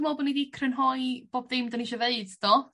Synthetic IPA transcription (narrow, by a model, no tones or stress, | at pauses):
mɔːbɔnidikʰrənɦɔjb̥oːbdɪmdəniʃɔveɨdd̥ɔ